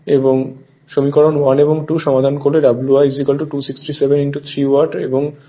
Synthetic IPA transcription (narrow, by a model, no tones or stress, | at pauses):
eboŋ | ʃomikɔɾonwaneboŋʈuʃɔmad̪ʱankoɾleɖabluajzikalʈuʈusiksʈisebeniɳʈut̪ʰɾiwaɾʈḛboŋ